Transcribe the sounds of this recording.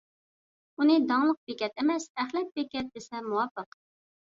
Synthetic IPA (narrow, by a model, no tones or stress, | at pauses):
unɨd̪ɑŋlˠəq̚bekʲɛt̪emɛsɛχlɛk̪̚bekʲɛt̪̚d̪ɪsɛmuwɑpːəq